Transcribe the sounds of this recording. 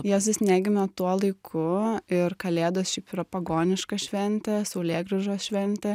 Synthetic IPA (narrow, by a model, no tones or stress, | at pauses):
jɛːsʲɪsʲnʲæːɡʲɪmʲɛt̪uɔlˠɐɪkʰʊɪɾkɐlʲeːd̪oːsʃʲɛɪpɾoːpɐɡoːnʲɪʃkɐʃʲʋʲɛnʲt̪ʲɛsɐʊlʲeːɡɾʲɪʒoːsʃʲʋʲɛnʲt̪ʲɛ